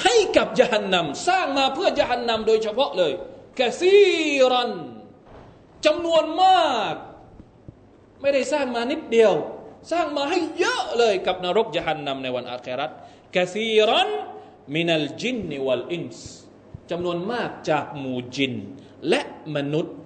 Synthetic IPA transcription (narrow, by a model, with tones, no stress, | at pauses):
ha˥˩jka˨˩p̚jaː˧˩ɦa˧nːa˧msaː˥˩ŋmaː˧pʰɯ˥˩ɐjaː˧˩ɦa˧nːa˧mdoː˧jt͡ɕʰa˧pʰɔ˦˥ʔlɤː˧jka˧θiː˦˧ɾa˧n | t͡ɕa˧mnu˧ənmaː˥˩k̚ | ma˥˩jda˥˩jsaː˥˩ŋmaː˧ni˦˥t̪̚di˧əwsaː˥˩ŋmaː˧ɦa˥˩jːɤ˦˥ʔlɤː˧jka˨˩p̚naː˧ɾo˦˥k̚jaː˧ɦa˧nːa˧mna˧jwa˧nʔa̰ː˧keː˧ɾa˦˥t̪̚ | ka˧θiː˧ɾa˦n | mi˧na˨ld͡ʑi˦˥nː˨wa˧lʔi˦˥˩ns | t͡ɕa˧mnu˧ənmaː˥˩k̚t͡ɕaː˨˩k̚muː˨˩d͡ʑi˧n | lɛ˦˥ʔma˧nu˦˥t̪̚